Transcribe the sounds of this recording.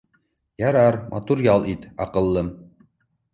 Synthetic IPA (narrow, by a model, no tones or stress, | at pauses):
jɑɾɑɾmʔɑ̰t̪uɾjɑlˠʔit̪ɑ̰qɤ̆lˠːɤm